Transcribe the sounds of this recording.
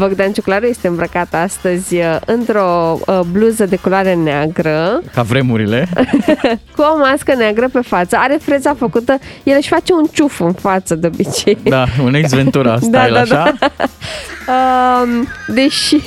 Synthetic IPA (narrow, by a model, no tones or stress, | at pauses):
vəɡd̪ant͡ʃuklaɾuje̞st̪e̞ɨmbɾəkat̪ast̪əzʲɨnt̪ɾo̞bluzəd̪e̞koloaɾeneaɡɾəkavɾe̞muɾile | kuomaskəneaɡɾəpe̞fat̪səaɾe̞fɾezafəkut̪əjelɨʃʲfat͡ʃe̞unt͡ʃufɨnfat̪səd̪eobit͡ʃe̞jd̪aunezvent̪uɾasd̪alad̪a | əmd̪eʃi